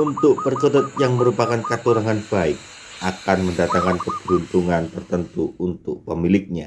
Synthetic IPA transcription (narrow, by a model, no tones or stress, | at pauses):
unt̪ʊk̚pərkəɾʊt̪̚jaŋməɾupakankat̪uɾaŋanb̥aɪk̚ | ʔakanməndat̪aŋkankəb̥unt̪uŋant̪ərt̪ənt̪uunt̪ʊk̚pəmilɪk̚ɲa